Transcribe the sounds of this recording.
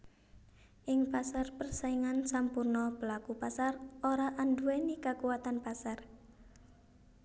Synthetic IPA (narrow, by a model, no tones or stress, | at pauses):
ʔɪŋpasarpərsaiŋansampurnɔb̥əlakupasarʔoɾaʔanduwenikakuwat̪anpasar